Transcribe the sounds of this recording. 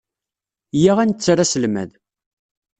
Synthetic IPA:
jaʁænt͡sːɾæsəlmæ̰ð

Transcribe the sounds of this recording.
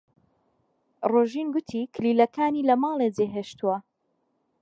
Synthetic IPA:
roʒinɡʊt̪ʰikʰlilɐkʰaːniːlɐmɑːlˠed͡zeɦeːʃt̪uwɐ

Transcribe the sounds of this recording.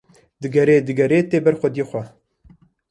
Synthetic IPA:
d̪ɨɡɛɾeːd̪ɨɡɛɾeːt̪eːbɛɾxʷɛd̪jeːxʷɛ

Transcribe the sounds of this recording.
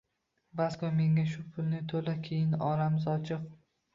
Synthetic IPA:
baskɒme̞ŋʲaʃ̬ʊpʰʊlnɪt̪ʰolakʲʰejɪnɒɾamɪzɒt͡ʃʰɨq

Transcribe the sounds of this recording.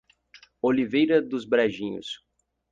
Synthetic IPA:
olivejɾɐd̪ʊzbɾaʒĩɲʊ̰s

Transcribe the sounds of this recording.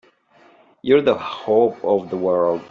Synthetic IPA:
jɔɹðəhopɔvðəwɜ˞ld

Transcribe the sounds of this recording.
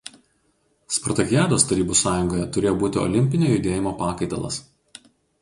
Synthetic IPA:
spɔɾt̪ɐkʲjæːd̪oːst̪ɐɾʲiːbʊsɑːjʊŋɡoːjɛt̪ʊɾʲeːjoːbuːt̪ʲɪɔ̰lʲɪmʲpʲɪnʲoːjʊd̪ʲeːjɪmoːpɑːkɐɪt̪ɐlˠɐ̰s

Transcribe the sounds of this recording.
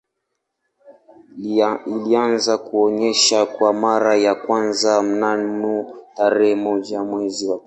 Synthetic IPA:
ilianzakuɔɲɛʃakwamaɾajakwanzam̩nanutaɾɛhɛmɔd͡ʒamwɛziwa

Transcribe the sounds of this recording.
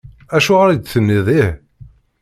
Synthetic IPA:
æʃuʁəɾid̪θənːiðˤih

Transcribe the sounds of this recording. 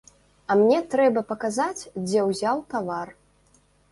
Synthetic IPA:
ɐmnʲɛt̪ɾɛbɐpɐkazat͡sʲd͡zʲɛwzʲawt̪avar

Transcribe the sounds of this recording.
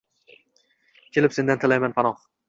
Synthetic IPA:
kʲʰe̞lɪpse̞nd̪ant̪ʰɪlajmanpʰanɒ

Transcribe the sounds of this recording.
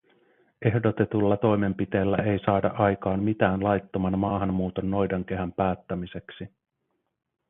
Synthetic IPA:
e̞hdo̞t̪e̞t̪ulːɑt̪o̞jme̞mpit̪e̞ːlːæʔe̞jsɑːdɑ̰ʔɑjkɑːmmit̪æːnlɑjt̪ːo̞mɑnmɑːɦɑmːuːt̪o̞nːo̞jdɑŋk̟e̞ɦæmpæːt̪ːæmise̞ksi

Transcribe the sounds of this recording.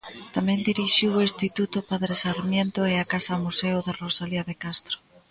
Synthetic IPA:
t̪amẽnd̪iɾiʃiwoist̪it̪ut̪opaðɾesaɾmjent̪oeakasamuseoðerosaliaðekast̪ɾo̥

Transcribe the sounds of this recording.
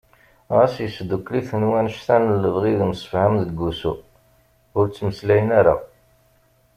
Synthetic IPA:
ʁæsjəsd̪ukːliθənwænʃθænəlːəvʁiðmsə̥fʕamðəɡːusṵ | ʊɾt͡sːməslæjənæɾa̰

